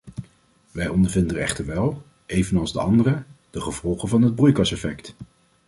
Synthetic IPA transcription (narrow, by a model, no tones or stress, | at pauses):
ʋɛjɔndəɹvɪndəəɹɛ̰χtəɹʋɛlˠ | ʔejvənɑlˠzdəɑndərəd̥əχəv̥ɔlˠχənvɑnɦəd̚brujkɑsɛfɛkt